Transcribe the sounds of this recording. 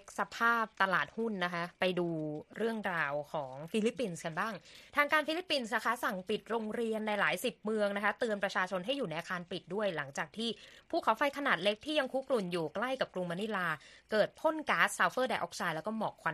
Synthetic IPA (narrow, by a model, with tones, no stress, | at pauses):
k̚sa˧pʰaː˥˩p̚t̪a˧laː˨˩t̪̚hu˥˩nː˦˥kʰa˦˥pa˧jduː˧ɾɯ˥˩əŋɾaː˧wkʰɔː˩˦ŋfiː˧li˦˥pːi˧nska˧nbaː˥˩ŋt̪ʰaː˧ŋkaː˧nfi˧˥li˦˥pːi˧nsna˦˥kʰa˦˥sa˨˩ŋpi˨˩t̪̚ɾoː˧ŋɾi˧ənːa˧jlaː˩˦jsi˨˩p̚mɯ˧əŋna˦˥kʰa˦˥t̪ɯ˧ənpɾa˧t͡ɕʰaː˧t͡ɕʰo˧nɦa˥˩jːuː˨˩na˧jʔaː˧kʰaː˧npi˨˩t̪̚du˥˩əjla˩˦ŋt͡ɕaː˨˩k̚t̪ʰiː˥˩pʰuː˥˩kʰa˩˦wfa˧jkʰa˧naː˨˩t̪̚le˦˥k̚t̪ʰiː˥˩ja˧ŋkʰuː˦˥klu˨˩njuː˨˩kla˥˩jka˨˩p̚klu˧ŋma˧˥ni˦˥laː˧kɤː˨˩t̪̚pʰo˥˩nkaː˦˥ssaː˧wfɤː˥˩da˧jʔɔː˦˥k̚saː˧jlɛ˦˥kɔː˥˩mɔː˨˩kʰwa˧